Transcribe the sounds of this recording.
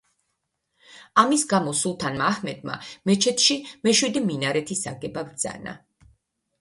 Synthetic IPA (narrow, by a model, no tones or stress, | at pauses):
amisɡamɔsulˠt̪ʰanmaːhmɛd̪ma̰mɛt͡ʃʰɛt̪ʰʃimɛʃwid̪iminaɾɛt̪ʰisaɡɛbavd̪za̰na̰